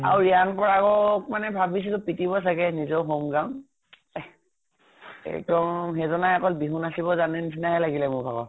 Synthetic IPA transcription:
a̰uɹianpɔɹakɔk̚manɛbʱabis̬itʊpitibɔs̬aɡɛnizɔʊɦomɡãʊn | ɛ̰ɡdɔmɦezɔnajakɔlbiɦunasibɔzanɛninaɦɛlaɡilɛmʊɹbʱabɔ

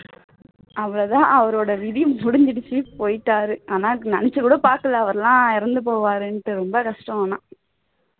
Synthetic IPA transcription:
ʔɐʋːɐɭɐt̪ãːʔɐʋɐɾoːɽɐʋɪðimʊɽɪnd̪ɪɽɪt͡ʃːipoːjʈːaːɾɯʔaːnaːnɐnɪt͡ʃːɯkuːɽɐpaːɾkɐlɐːʋɐɾɐlãːɪɾɐnd̪ɯp̬oːʋaːɾɯnʈːɯɾɔmbɐkɐʂʈɐaːnã̰ː

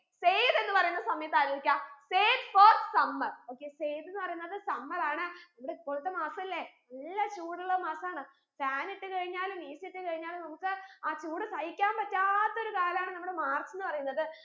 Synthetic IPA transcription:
sejt̪e̞nːɨpɐrɐjunːɐsɐmɐjɐt̪ːaːliikʲːaːseːtfoːrsɐmːɐro̞ːkːe̞sejt̪enːɨpɐrɐjunːɐðɨsɐmːɐraːɳɨnɐmːuɽeipːoːɭut̪ːemaːsɐmilːe | ɐɭːɐt͡ɕuːɽuɭːɐmaːsɐaːɳɨ | faːniʈːɨkɐɻiɲːaːlumiːsiʈːɨkɐɻiɲːaːlumnɐmukːɨaːt͡ɕuːɽɨsɐjikʲːaːmpɐtːaːt̪ːo̞ɾukaːlɐmaːɳɨnɐmːuɽemaːrt͡ɕːenːɨpɐrɐjunːɐðɨ

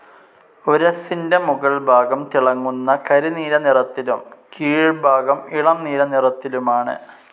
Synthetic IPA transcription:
o̞ɾɐsindemuɣɐɭbʱaːɡɐmt̪iɭɐŋːunːɐkɐɾiniːɾɐnirɐt̪ːilumkʰiːɻbʱaːɡɐmiɭɐmniːɾɐnirɐt̪ːilumaːɳɨ̰

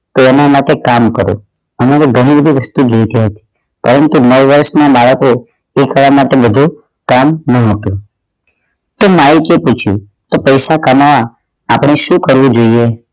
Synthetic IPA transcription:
t̪oɛnamaʈekamkəɾo̰ | əmaɾeɡʱəɽ̃ibəd̪ʱiʋəst̪ud͡ʒojt̪iɦət̪i̥ | pəɾənt̪unəwʋəɾʃnabaɭəko | ekəʋamaʈebəd̪ʱu | kamnəɦot̪ũ | t̪omalikeput͡ʃʰjṵ | t̪opəjsakəmaʋaː | pɽ̃eʃũkəɾʋũd͡ʒoie

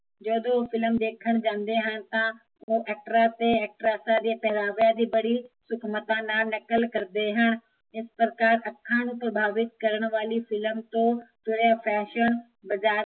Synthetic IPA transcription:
d͡ʑoːd̪ofɪlmd̪eːkʰəɽ̃d͡ʑãːnd̪eɦəñɪ̆t̪ã | oʔɛːk̚ʈɾat̪eɛːk̚ʈɾasãd͡ʑ̪epɛɦɾaːʋijad͡ʑiːbɐɽisʊkʰmət̪ãnanɐkəlkɐɾd̪eɦəñ̆ | ɪspɾɐkaːɾɐkʰːãːñũpɾɐbʱaːʋɪt̪̚kɐɾəɽ̃ʋaːlifɪləmt̪õt̪ʊɾjafɛːʃəñ | bɐzaː

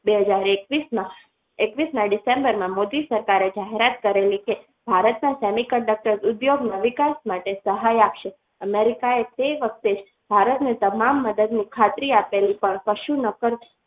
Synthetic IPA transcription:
beɦəd͡ʒaɾekʋismã | ekʋismãɖɪsẽmbəɾmãmod̪isəɾkaɾed͡ʒaɦeɾat̪kəɾelike | b̥ʱaɾət̪nãsɛmikəɳɖək̚ʈəɾzʊd̪joɡnaʋikasmaʈesəɦajapʃe | əmeɾikaet̪eʋək̚ʰt̪ed͡ʒ | bʱaɾət̪net̪əmamːəd̪əd̪nikʰat̪ɾiapelipəɳpəʃunəkəɾ

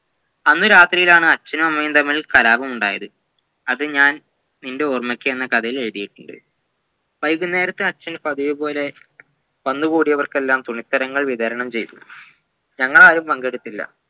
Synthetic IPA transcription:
ɐnːuɾaːt̪rijilaːɳɨɐt͡ɕːɐnɐmɐmːɐjumt̪ɐmːilkɐlaːbɐmuɳɖaːjɐðɨ | ɐðɨɲaːn | ninde̞ormɐkʲːɨenːɐkɐd̪ɐjile̞ɻiðijiʈːuɳɖɨ̰ | ʋɐjɡunːe̞ːɾɐt̪ːɨɐt͡ɕːɐnpɐðiʋɨpo̞ːle̞ | ʋɐnːuɣuːɽijɐʋɐrke̞lːaːmt̪uɳit̪ːɐɾɐŋːɐɭʋiðɐɾɐɳɐmt͡ɕe̞jt̪u | ɲɐŋːɐɭaːɾumpɐŋɡeɽut̪ːilːɐ̰

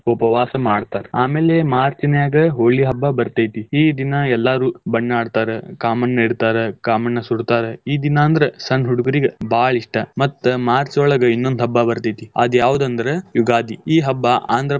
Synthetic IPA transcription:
upɐʋaːsɐmaːɖt̪aːɾeaːmeːlemaːɾt͡ʃɐnɐjaːɡɐɦoːɭiɦɐbːɐbɐɾt̪ɐjt̪iiːd̪inɐɛlːaːɾuːbɐɳːaːɖt̪aːɾekaːmɐnːeɽt̪aːɾekaːmɐnːɐsuɽt̪aːɾeiːd̪inaːnd̪ɐɾesɐnɦuɽuɡɐɾiɡebaːɭiʂʈɐmɐt̪ːɐmaːɾt͡ʃɔːɭɐɡɐinːond̪ɦɐbːabɐɾt̪ɐjt̪iɐ̰d̪jaːʋud̪ɐnd̪ɐɾejuɡaːd̪ʱiiːɦɐbːɐʔa̰ːnd̪ɾɐ

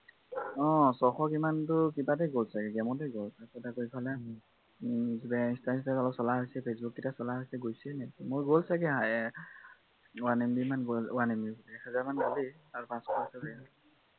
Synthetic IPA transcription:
ɔ̃sɔxɔkimantʊkibat̬ɛɡolsaɡɛɡɛmɔt̬eɡolsasɛtakoipʰalɛ | zibaĩnstastasalɔsɔlaɦjsɛpʰesbuk̚kitasɔlaɦasɛɡojsɛnɛkimʊɹɡolsakɛɦaj | wanimbimanɡowanimibɔlːkʰhɛzaɹmanɡoliaɹupãskʰɔasabɛa

